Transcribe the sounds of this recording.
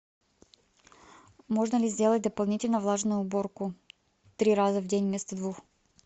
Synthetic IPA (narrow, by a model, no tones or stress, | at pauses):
moʐnəlʲɪzʲdʲelˠət̚ʲd̪əpɐlˠnʲitʲɪlʲnəvlˠaʐnəjːboɾkʊ | t̪ɾʲiɾazəvdʲenʲmʲɛst̪əd̪vux